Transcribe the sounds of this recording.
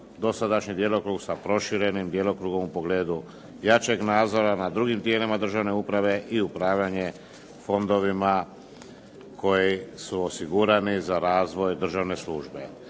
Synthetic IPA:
d̪o̞sad̪aʃɲid̪jelo̞kɾuːɡsapɾo̞ʃiɾe̞nimd̪je̞lo̞kɾuːɡo̞mupo̞ɡle̞ːd̪u | jat͡ʃe̞ɡnaːd̪zo̞ɾanad̪ɾuɡimt̪je̞ːlimad̪r̩ʒaʋne̞upɾaʋe̞ʔiupɾaːʋʎaɲe̞ | fo̞nd̪o̞ʋima | kʰo̞jisuo̞siɡuɾanizaɾaːzʋo̞jd̪r̩ʒaʋne̞sluːʒbe̞

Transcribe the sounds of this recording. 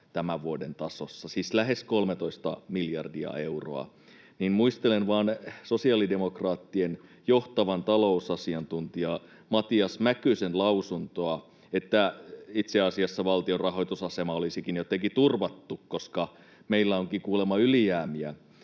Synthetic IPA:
t̪æmæʋʋuodent̪ɑsosːɑsislæɦe̞skolmet̪oist̪ɑmiljɑrdiɑ̰e̞uro̰ɑ̰ | ninmuist̪elenʋɑːnsosiɑlide̞mokrɑːt̪ːien | joht̪ɑʋɑnt̪ɑlousɑsiɑnt̪unt̪iɑ | mɑt̪iɑsmækysenlɑusunt̪oɑ | et̪ːæit̪seɑsiɑsːɑʋɑlt̪iorrɑɦojt̪usɑsemɑolisikinjot̪ekit̪urʋɑt̪ːukkoskɑ | meilːæoŋkikuːlemɑyliæːmiæ

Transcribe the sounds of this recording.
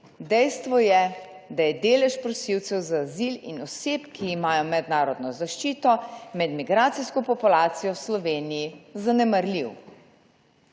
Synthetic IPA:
d̪ɛjst̪ʋɔjɛd̪ajɛd̪eːlɛʃpɾɔsiwt̪sɛwzaːzilḭnɔseːpkʰiːmaːjɔmɛd̪naːɾɔd̪nɔzaʃt͡ʃiːt̪ɔmɛd̪miɡɾaːt̪siskɔpɔpulaːt̪sijɔwslɔʋeːnijizanɛmaɾliw

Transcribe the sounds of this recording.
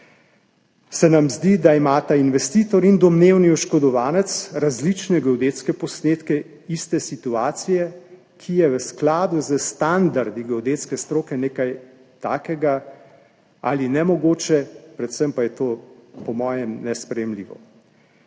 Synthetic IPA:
sɛnamzd̪id̪aimaːt̪ainʋɛst̪iːt̪ɔɾind̪ɔmneːwniɔʃkɔd̪ɔʋaːnɛt̪sɾazlit͡ʃnɛɡɛod̪eːt̪skɛpɔsneːt̪kɛ | ist̪ɛsit̪uaːt̪sijɛ | kʰijɛʋəsklaːd̪uzəst̪and̪aɾd̪iɡɛod̪eːt̪skɛst̪ɾoːkɛneːkaj | t̪aːkɛɡa | a̰linɛmɔɡoːt͡ʃɛpɾɛt̪səmpajɛt̪oːpɔmɔːjɛmnɛspɾɛjɛmliːʋɔ̰

